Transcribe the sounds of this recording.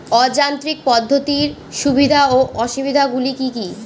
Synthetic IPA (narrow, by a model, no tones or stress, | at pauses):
ɔd͡ʑant̪ɾik̚pɔd̪ʱːot̪iɾ | ʃubʱid̪ʱaoʔɔʃibid̪ʱaɡulikiki